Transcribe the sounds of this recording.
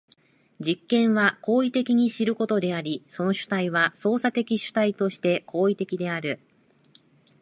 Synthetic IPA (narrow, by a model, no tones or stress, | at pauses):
d͡ʑikːẽ̞ɰ̃βako̞ːit̪e̞kʲiɲ̟iɕiɾɯ̟ko̞t̪o̞d̪e̞aɾʲiso̞no̞ɕɨ̥t̪aiβ̞aso̞ːsat̪e̞kʲiɕɨ̥t̪ait̪o̞ɕi̥t̪e̞kʰo̞ːit̪e̞kʲid̪e̞aɾɯ̟